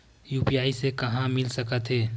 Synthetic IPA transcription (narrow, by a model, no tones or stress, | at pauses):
juːpijaːisekɐɦãmɪlsəkət̪ɦeː